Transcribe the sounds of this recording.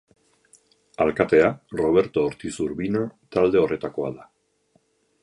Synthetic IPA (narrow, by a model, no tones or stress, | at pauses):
alkat̪e̞aro̞β̞e̞ɾt̪o̞ːɾt̪isuɾβinot̪ald̪e̞o̞re̞t̪ako̞a̰ða